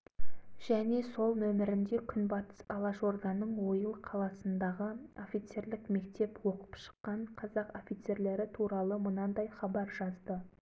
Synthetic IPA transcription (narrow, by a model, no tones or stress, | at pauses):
ʒ̥æne̞so̞lˠmɵmɪɾɪnd̪e̞kʲʰʏnbɑt̪ə̥sɑlˠɑʒo̞ɾd̪ɑnəɴwo̞jəlˠqʰɑlˠɑsənd̪ɑʁəo̞fijt̪se̞ɾlɪkme̞kt̪e̞pwo̞qə̥pʃə̥qːɑɴqʰɑzɑqo̞fit̪se̞ɾle̞ɾɪt̪ʰuɾɑlˠəmənɑd̪ɑjχɑbɑɾʒɑzd̪ə